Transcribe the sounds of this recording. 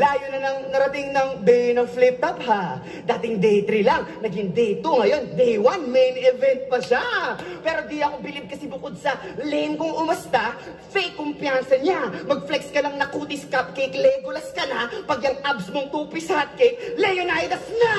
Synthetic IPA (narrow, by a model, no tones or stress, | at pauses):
laːjonɐnɐŋnɐɾɐt̪ɪŋnɐŋd̪ɛnɐŋflɪp̚t̪ɐpha | d̪aːt̪ɪŋd̪ɛjt̪ɾilɐŋnɐɡɪŋd̪ɛjt̪oŋɐjo̞nd̪ɛjwanmɛjnɛvɛnt̪̚pɐʃapɛːɾo̞d̪iɐkobɪlɪb̪̚kɐsibʊko̞d̪̚sɐlɛmkoŋʔʊmɐst̪a | fejkːʊmpjansɐɲamɐɡ̚flɛkskɐlɐŋnɐkuːt̪ɪskap̚kɛjklɛɡʊlɐskɐnapɐɡjɐŋʔabsmoŋt̪uːpɪshɐt̪̚kɛjk̚lɛjonajd̪ɐsna